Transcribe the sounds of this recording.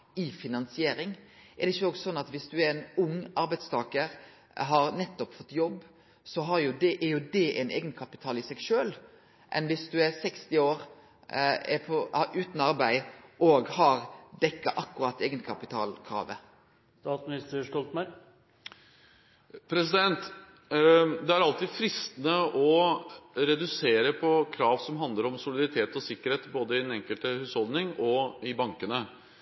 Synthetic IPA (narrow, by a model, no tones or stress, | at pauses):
ɪfɪnɑnsɪeːɾɪŋʔɛɾd̪ɛɪçːəoːɡsɔnːɑt̪ʋɪsd̪ʉæɾɛnʊŋːɑɾbæɪd̪st̪ʰɑːkəɾ | ɦɑɾnɛt̪ːɔpfɔt̪ːjɔbː | sɔɦɑɾjʊd̪ɛʔɛjʊd̪ɛʔɛnʔḛːɡənkʰɑpɪt̪ʰɑːlɪsɛɡʃøːl | mʔɛ̰nʋɪsd̪ʉɛɾsɛkst̪ɪoːɾ | ɛ̰pʰɔɑʔʉːt̪n̩ɑɾbæɪʔoːɡhɑɾd̪ɛkːɑʔɑkːʉɾɑt̪ːeːɡənkʰɑpɪt̪ʰɑ̰ːlkʰɾɑ̰ːʋə̰ | st̪ɑːt̪smɪnɪst̪əʂtɔlt̪mæɾ | pʰɾɛsɪd̪ɛnt̪ | d̪ɛæɾɑlt̪iːd̪fɾɪst̪ənəɔ | ɾɛd̪ʉseːɾəpʰɔkʰɾɑːʋsɔmɦɑnd̪ləɾɔmsʊlɪd̪ɑɾɪt̪ʰeːt̪ɔsɪkːəɾheːt̪boːd̪əɪdɛnɛŋkəlt̪əhʉːshɔlˠd̪nɪŋɔɪbɑŋkənə